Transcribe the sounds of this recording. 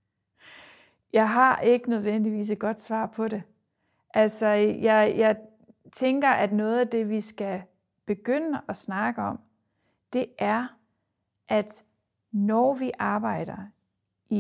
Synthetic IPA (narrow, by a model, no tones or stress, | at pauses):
jɑ̈ɪɦɑ̈ʔe̝ɡ̥ənøð̞ˠʋen̰d̥iʋḭːs̬ed̚ɡ̥ɒ̽d̥sʋɑ̰̈ːpʰɒ̽ɾe̝ | ʔælsɒjɑ̈ɪjɑ̈ɪ | t͡sʰeŋɡ̥ɐʔæd̥nɔ̽ːð̞̩ˠæd̥e̝ʋisɡ̥æ | b̥e̝ɡ̥øn̰əʔɒ̽snɑ̈ɡ̥əɒ̽m̰ | d̥e̝ʔæɐ | ʔæd̥ | nɒʋiʔɑ̈ːb̥ɑ̈ɪ̰d̥ɐ | ʔi